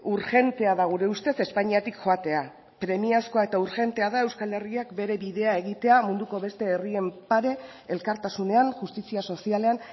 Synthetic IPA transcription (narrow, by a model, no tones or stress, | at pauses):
uɾxe̞nt̪e̞aðaɣuɾe̞ust̪e̞se̞spaɲiat̪ikxo̞at̪e̞a | pɾe̞miasko̞ae̞t̪auɾxe̞nt̪e̞aðae̞wskale̞riakbe̞ɾe̞βiðe̞ae̞ɣit̪e̞amund̪uko̞βe̞st̪e̞ːrie̞mpaɾe̞elkaɾt̪asune̞anʝust̪isiaso̞siale̞an